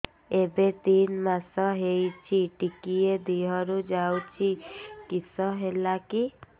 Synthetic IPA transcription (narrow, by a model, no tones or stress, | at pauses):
ebet̪inmasɔɦejt͡ʃʰiʈikied̪iɦɔɾud͡ʒawt͡ʃʰikisɔɦelaki